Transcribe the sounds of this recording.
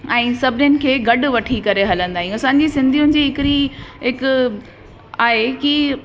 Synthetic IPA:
ɛ̃ːsɐbʱɪnjʊnɪ̆kʰeːɡɐɖʋɐʈʰikɐɾeɦɐlə̃nd̪aːɦĩɐsãːɲ̆d͡ʑisɪ̃nd̪ʱijʊnɪ̆d͡ʑiːɦɪkɪɾiɦɪk | aːɦeki

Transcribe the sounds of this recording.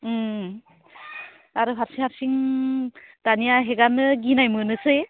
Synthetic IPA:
aɾuɦaɾsiŋhaɾsiŋ | d̥anijaɦeɡanɯɡinajmɯnɯse

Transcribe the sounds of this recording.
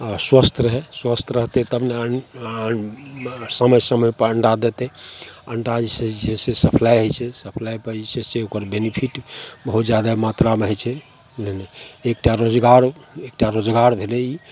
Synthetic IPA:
aswəst̪ʰɾəɦɛswəst̪ʰɾəɦt̪et̪əbne | səməjsəməjpəəɳɖad̪et̪eəɳɖad͡ʒised͡ʒʰesesəpʰlajɦəjt͡ʃʰɛsəpʰlajpəiseseokəɾbenipʰiʈbəɦut̪d͡ʒjad̪amat̪ɾameɦət͡ʃʰɛ | neneek̚ʈaɾod͡ʒɡaɾek̚ʈaɾod͡ʒɡaɾbʱelei

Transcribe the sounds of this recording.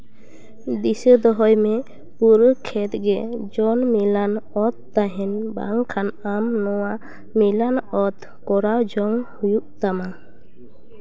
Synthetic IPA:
d̪isəd̪ɔɦɔjmɛ | puɾkʰɛt̪ɡɛd͡ʒɔnmilanɔt̪̚ːaɦɛnba̰ŋkʰanamnɔwa | milanɔt̪ | kɔɾawd͡ʒɔŋhujuʔt̪ama

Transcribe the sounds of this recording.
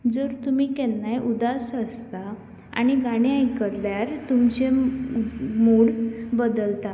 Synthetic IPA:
d͡zəɾt̪umiːkɛnːajʔud̪asəst̪a | a̰ɽ̃iɡaɽ̃jajkəɾljaɾt̪umt͡ɕe | moɽbəd̪əlt̪a

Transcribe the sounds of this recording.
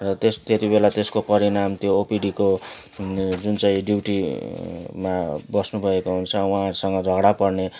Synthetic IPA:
rʌt̪est̪et̪ibelat̪eskopʌɾinamt̪joːpiɖiko | d͡zunt͡saĩɖiwʈi | mabʌsnubʱʌekoɦunt͡sʰʌwũɦãɾusʌŋɡʌd͡zʱʌɡɽapʌrne

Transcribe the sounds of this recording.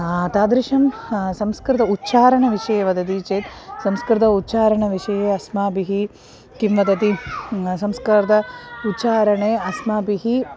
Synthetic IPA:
t̪aːd̪ɾiʃɐmsɐmskɾɪt̪ɐutːʃaːɾɐɳɐʋiʂɐjeːʋɐd̪ɐt̪̬it͡ʃeːt̪sɐmskɾɪt̪ɐut̪ːʃaːɾɐɳɐʋiʂɐjeːɐsmaːbiɦi | kimʋɐd̪ɐt̪isɐmskɐɾɐt̪ɐut̪ːʃaːɾɐɳeːɐsmaːbiɦi

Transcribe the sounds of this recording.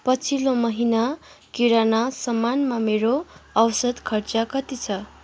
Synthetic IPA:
pʌt͡sʰilomʌɦina | kiɾanasʌmːanmameɾoʌwsʌd̪kʰʌrt͡sʌkʌt̪it͡sʰʌ

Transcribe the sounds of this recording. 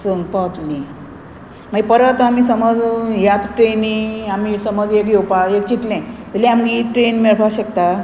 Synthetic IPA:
səmpət̪li | maɡipəɾət̪amisəməd͡zjat̪ʈɾeniamisəməd͡zekjewpaek̚t͡ɕit̪lɛ̃təlĩamɡiʈɾenmeɭʈʰaɕəkt̪a

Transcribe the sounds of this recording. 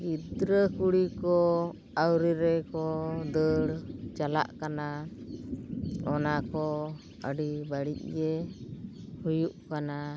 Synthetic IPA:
ɡid̪ɾəkuɽikɔ | awɾiɾɛkɔd̪əɽt͡ʃala̰ʔkana | ɔnakɔ | ə̰ɖibaɽḭc̚ɡɛ | hujuʔkana

